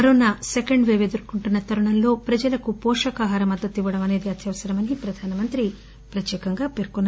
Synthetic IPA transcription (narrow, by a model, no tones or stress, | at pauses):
ɐɾoːnasekɐɳɖʋeːʋed̪ɐɾkuɳʈunːɐt̪ɐɾɐɳɐnlo̞ːpɾɐd͡ʒɐlɐkupɔːʂɐkaːɦaːɾɐmɐd̪ːɐt̪ːiʋːɐɽɐmɐne̞ːd̪iɐt̪ʰjɐʋɐsɐɾɐmɐnipɾɐd̪ʱaːnɐmɐnt̪ɾi | pɾɐt̪jɛːkɐŋɡaːpe̞ɾkonːa